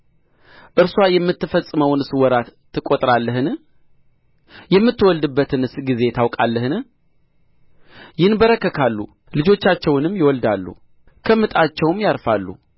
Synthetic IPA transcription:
ʔɨɾswajɛmːɨt̪ːɨfəsʼːɨməwnɨswɔɾat̪ʰːɨkʼːot̪ʼɾalːəɦɨn | jɛmːɨt̪ːɨwɔld̪ɨbːət̪ʰɨnɨsɡize̞t̪ʰawkʼalːəhɨnɨ | jɪnbəɾəkːəkʰalːṵ | lɨd͡ʒo̞t͡ʃːat͡ʃːɛwnɨmjɪwɔld̪alːṵ | kʰəmːɨt̪ʼat͡ʃːɛwmjaɾfalːṵ

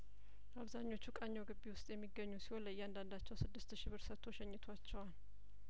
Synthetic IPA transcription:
aβzaɲːo̞t͡ʃːukʼaɲːawɡɨbːiwʊst̪ʼjɛmːiɡːəɲːusi̥ho̞nləjːɛand̪and̪at͡ʃːɛwsɨd̪ːɨst̪ʃiβɨɾsət̪ʰːoʃɛɲːɨt̪ʰwat͡ʃːɛwal

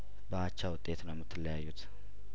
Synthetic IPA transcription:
bəat͡ʃːawʊt̪ʼːe̞t̪nəwmɨt̪ʰːɨləjajːut̪

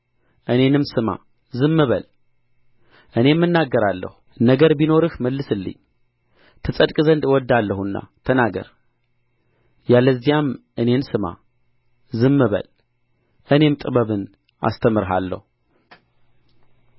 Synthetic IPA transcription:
ʔɨne̞nɨmsɨma̰ | zɨmːɨβəl | ʔɨne̞mːɨnːaɡːəɾalːə̰hunəɡəɾbino̞ɾɨhməlːɨsɨlːɨ̰ɲː | t̪ʰɨsʼəd̪kʼzənd̪wɔd̪ːalːəhunːa̰t̪ʰənaɡə̰ɾ | jaləzːijamʔɨne̞nsɨma̰ | zɨmːɨβə̰l | ʔɨne̞mt̪ʼɨβəβɨn | ʔa̰st̪ʰəmɨɾɦa̰lːə̰hu

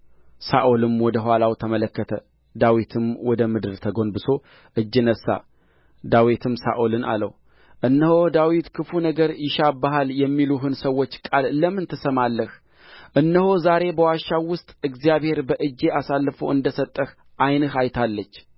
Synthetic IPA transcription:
saʔolɨmwɔd̪əɦwalawt̪ʰəmələkːət̪ʰə | d̪awit̪ʰɨmwɔd̪əmɨd̪ɨɾt̪ʰəɡo̞nbɨso̞ | ʔɨd͡ʒːɨnəsa̰ | d̪awit̪ʰɨmsa̰ʔolɨnʔa̰lə̰w | ʔɨnːəhod̪awit̪kʰɨfunəɡəɾjɪʃabaɦaljɛmːiluɦɨnsəwːo̞t͡ʃːkʼalləmɨnt̪ʰɨsəmalːəh | ʔɨnːəhozaɾe̞bəwaʃawʊst̪ʼɨɡzijaβhe̞ɾbəʔɨd͡ʒːe̞ʔasalːfowɨnd̪əsət̪ʼːəh | ʔajnɨhajt̪ʰalːət͡ʃː

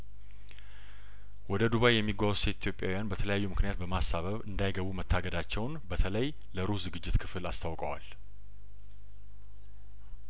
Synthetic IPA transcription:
wɔd̪əd̪uβajjɛmːiɡwawse̞t̪it̪ʰjopʼjawijanbət̪ʰələjajːumɨknijat̪̚bəmasaβəβɨnd̪ajɡəβumət̪ʰːaɡəd̪at͡ʃːɛwnbət̪ʰələj | ləɾuszɨɡɨd͡ʒːɪt̪kʰɨfɨlast̪ʰawkʼəwa̰l

